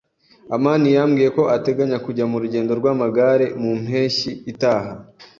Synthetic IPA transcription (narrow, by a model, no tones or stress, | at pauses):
amaːnijamɡiːje̞ko̞ʔate̞ɡaɲakuɟamuɾuɟe̞ːndo̞ɾɡwaːmaɡaɾe̞mum̥he̞ːʃiːtaːɦa